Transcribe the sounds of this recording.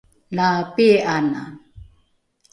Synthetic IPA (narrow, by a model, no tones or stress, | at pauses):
lapiʔana̰